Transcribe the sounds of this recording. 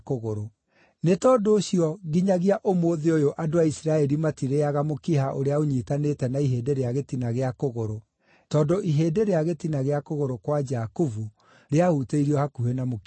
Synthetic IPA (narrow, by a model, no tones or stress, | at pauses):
koɣoɾo | netɔːndoːɕiɔɣiɲaɣiaʔomoːðeojoʔadoaisiɾaɛɾimatiɾeaɣamokiɦaʔoɾeaoɲitanetɛnaiɦeːdeɾeaɣetinaɣeakoɣoɾo | tɔːndoʔiɦeːdeɾeaɣetinaɣeakoɣoɾokwad͡ʒakuvu | ɾeahuteiɾiɔhakuhenamok